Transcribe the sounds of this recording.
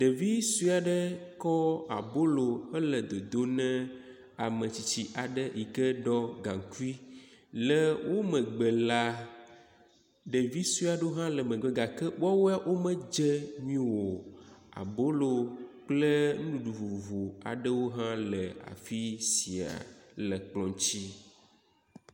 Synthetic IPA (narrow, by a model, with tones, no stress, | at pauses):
ɖə˨vi˦su˦a˨ɖə˦kɔ˦a̰˨bo˦lo˨hə˦lə˨d̪o˨d̪o˦nɛ̃˦ | a˨mə̃˨t͡ɕi˨t͡ɕi˨ʔa˨ɖə˦ji˨kə˦ɖɔ˦ɡã˨ŋku˦i˦lə˦wo˦mə˨ɡ͡bə˨la˨ | ɖə˨vi˦su˦a˨ɖo˦ɦã˦lə˨mə̃˨ɡ͡bə˨ɡa˨kə˦wɔ˦wo˦a˦˨wʔo˦mə̃˦d͡ʒə˦ɲĩ˦wo˨a̰˨bo˦lo˨k͡plə˦nũ˦ɖu˨vu˨vu˨vo˨a̰˨ɖə˦wo˦ɦã˦lə˨a̰˨fi˦si˨a̰˨lə˨k͡plɔ̃˨t͡ɕi˦